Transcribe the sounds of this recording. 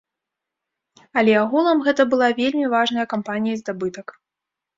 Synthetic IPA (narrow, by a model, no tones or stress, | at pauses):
ɐlʲɛaɣulˠɐmɣɛt̪ɐbɨlˠavʲelʲmʲivaʐnɐjɐkampanʲijɐzd̪abɨt̪ɐk